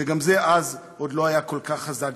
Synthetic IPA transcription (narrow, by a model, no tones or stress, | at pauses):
veɡamzeʔazʔo̞d̪lo̞ajako̞lkaχazaɡ